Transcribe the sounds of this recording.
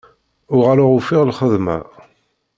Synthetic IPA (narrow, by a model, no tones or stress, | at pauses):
ʊʁaɾaʁufɪʁlχəðmæ̰